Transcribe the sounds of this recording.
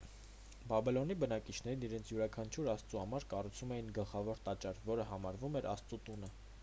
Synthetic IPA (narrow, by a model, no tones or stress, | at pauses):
bɑbilɔnibənɑkit͡ʃʰnɛɾiniɾɛnt͡sʰjuɾɑkʰɑnt͡ʃʰuɾɑst͡suhɑmɑɾkɑrut͡sʰumɛjinɡəlχɑvɔɾt̪ɑt͡ʃɑɾvɔɾəɦɑmɑɾvumɛɾɑst͡sut̪unə